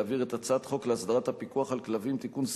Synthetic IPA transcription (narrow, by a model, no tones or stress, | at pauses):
aːviʁe̞t̪at͡saat̪χo̞kleasd̪aʁat̪hapikuaχalklavimt̪ikuns